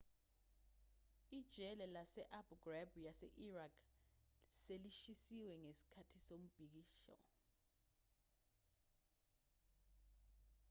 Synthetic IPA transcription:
id̥ʒ̥ʱɛlɛlasɛʔabuɡ̥rabʱujasɛ̰ʔirakʰ | seliʃisiwɛŋesi̥kʰatʰisom̩b̥ʱik̬iːʃɔ̰

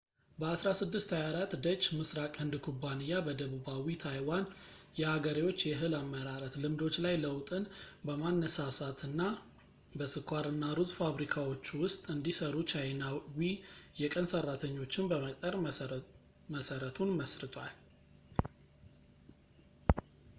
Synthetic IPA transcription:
bəasɾasɨd̪ːɨst̪hajaɾat̪d̪ət͡ʃʼːmɨsɾakʼɨnd̪kʰubːanɨjːabəd̪əβubawit̪ʰajwanjɛhaɡəɾiwo̞t͡ʃːjɛɦɨlamːəɾaɾət̪lɨmd̪o̞t͡ʃːlajləwt̪ʼɨnbəmanːəsasat̪ʰɨnːa | bəsɨkʰʷːaɾɨnːaɾuzfaβɾikʰawo̞t͡ʃːwʊst̪ʼɨnd̪isəɾut͡ʃʰajnawijɛkʼənsərːat̪ʰəɲːo̞t͡ʃːɪnbəmət̪ʼəɾ | məsəɾət̪ʰunməsɾɨt̪ʰwa̰l

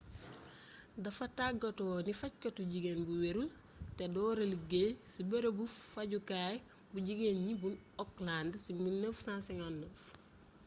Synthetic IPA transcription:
dɐfɐtaɡɐtɔːnifɐc̚kɐtuɟiɡenbuweɾul | tedɔːɾɐlɡesibeɾɐbufɐɟukaːj | buɟiɡenɲibunɔklandsimilnəfsãnsɛŋanːəf

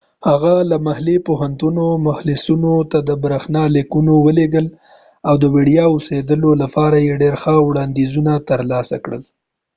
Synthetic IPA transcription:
haɣalamahlipoɦant̪unomahlɪsunot̪ad̪əbɾaxnɑlekunowəleɡəl | awd̪əwiɽijɑosed̪əlolapɑɾajeɖeɾxəwɽɑnd̪izunat̪əɾlɑsa̰kɽə̰l

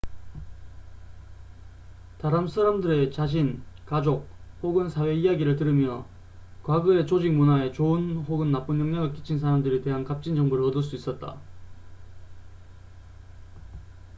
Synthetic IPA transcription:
taɾamsʰaɾamdɯɾe̞t͡ɕaɕʰinkad͡ʑok̚hoɡɯnsʰawe̞ijaɡiɾɯɭtɯɾɯmjʌ | kwaɡɯe̞t͡ɕod͡ʑik̚munae̞t͡ɕoɯnɸoɡɯnːap͈ɯnjʌŋɲaɡɯɭk͈i̥t͡ɕʰins̬ʰaɾamdɯɾite̞ɦankap̚t͡ɕ͈ind͡ʑʌŋbuɾɯɭʌdɯɭs͈uis͈ʌt̚t͈a̰

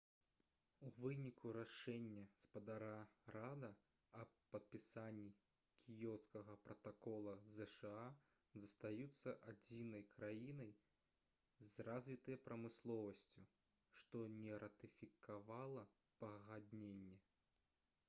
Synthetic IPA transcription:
uvɨnʲikʰuɾaʂɛnʲːɐspɐd̪aɾaɾad̪ɐ | ɐpɐt̪̚pʲisanʲːi | kʲʰijɔwskɐɣɐpɾɐt̪akɔlˠɐzɛʂɛa | zɐst̪ajut̪sːɐʔad͡zʲinɐjkɾajinɐj | zrazʲvʲit̪ɐjɐpɾɐmɨslˠɔvɐsʲt͡sʲu | ʂt̪ɔnʲɛɾɐt̪ɨfʲikavalˠɐ | pɐɣad̪nʲenʲːɛ

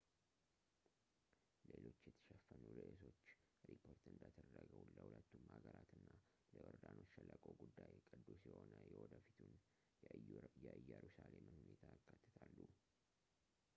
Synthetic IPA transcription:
lelo̞t͡ʃːjɛt̪ʰə̥ʃɛfːənuɾeʔso̞t͡ʃː | ɾipʰo̞ɾt̪ɨnd̪at̪ʰəd̪əd̪əɡəwlːəhulət̪ːumhaɡəɾat̪ʰɨnːa | ləwɔɾd̪anot͡ʃːfəlːakʼo̞ɡud̪ːajkʼɨd̪ːusiho̞nəjɛwɔd̪əfit̪ʰun | jjɛʔɨjːɛɾusalemɨnhunet̪ʰaɨkʰːat̪ʰːə̥t̪ʰalːu

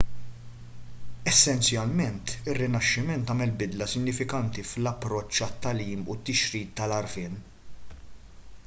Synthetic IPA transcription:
ɛsːɛnsjɐlmɛnt̪ɪrːɪnɐʃːɪmɛnt̪ɐːmɛlbɪd̪lɐsɪɡnɪfɪkɐnt̪iflɐpːɾɔt͡ʃːɐt̪ːɐliːmṵt̪ːɪʃɾiːt̪ːɐlɐɾfɪːn

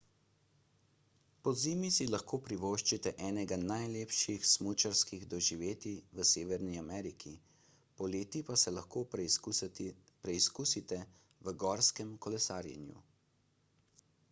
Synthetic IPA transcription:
pɔziːmisilaxkoːpɾiʋoːʃt͡ʃit̪ɛʔɛːnɛɡanajleːpʃixsmut͡ʃaɾskiɣd̪ɔʒiʋeːt̪iʋəseːʋɛɾniamɛːɾikʰi | pɔleːt̪ipasɛlaxkoː | pɾɛiskusit̪ɛ | ʋəɡɔːɾskɛmkɔlɛsaːɾjɛ̰njṵ

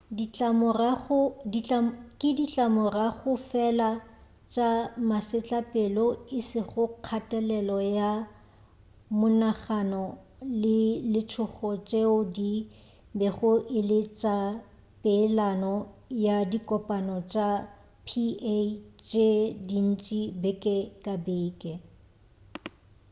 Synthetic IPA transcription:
diamʊraʊdiakʼɪdit͡ɬʼamʊraɣʊfɛla | t͡ʃʼamasɪt͡ɬʼapʼelɔɪsɪχʊq͡χʰatʼɛlɛlɔja | mʊnaχanɔ | lɪlɪt͡ʃʰʊχɔt͡ʃʼeʊdi | bɛχʊʔɪlɪt͡ʃʼa | pʼɪlanɔjadikʼɔpʼanɔt͡ʃʼa | pʰiet͡ʃʼedin̩t͡ʃʼibɛkʼɛkʼabeːkʼɛ

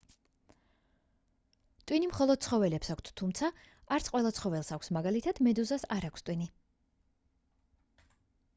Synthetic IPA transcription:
t̪ʼwinimχɔlˠɔd̪̥̚sʰχɔvɛlɛpsakʷʰt̪ʰt̪ʰumt̪sʰa | aɾt̪sʰqʼwɛlˠat̪sʰχɔvɛlˠsakʰʷsmaɡalit̪ʰad̪̥mɛd̪uzasaɾakʷʰst̪ʼwini

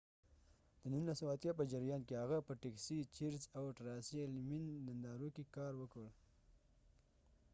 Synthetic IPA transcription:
d̪̥ənunlasəwaat̪jɑpəd͡ʒɪɾjɑnkehaɣapəʈeksit͡ʃiɾzawʈaɾɑsielmind̪and̪ɑɾokekɑɾwəkəɽ

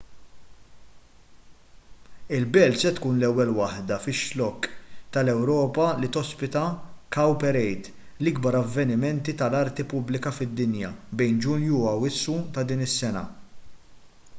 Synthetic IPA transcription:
ɪlbɛːlt̪sɛt̪kuːnlɛwːɛlwɐħd̪ɐfɪʃlɔkːt̪ɐlɛwɾɔːpɐlit̪ɔspɪt̪ɐkɐwpɛɾɛjt̪ | lɪɡbɐɾɐvːɛnɪmɛnt̪it̪ɐlɐɾt̪ipʊblɪkɐfɪd̪ːɪnjɐbɛjnd͡ʒʊnjuɐwɪsːut̪ɐd̪iːnɪsːɛnɐ̰

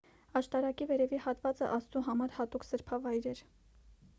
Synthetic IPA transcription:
ɑʃt̪ɑɾɑkivɛɾɛvihɑt̪vɑt͡sə̰ʔɑst̪uɦɑmɑɾhɑt̪uksəɾpʰɑvɑjɾɛɾ

